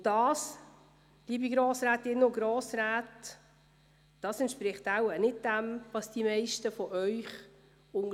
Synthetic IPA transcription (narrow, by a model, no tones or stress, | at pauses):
ʊ̥ɑːs | liːbiɡɾoːsɾaːtːɪnːoɡɾoːsɾaːt | d̥ɑːsɛntʃpɾɪχtawənɪt̚d̥æmvɑsd̥imɛɪʃtəfɔʔœʏχ | ʊŋ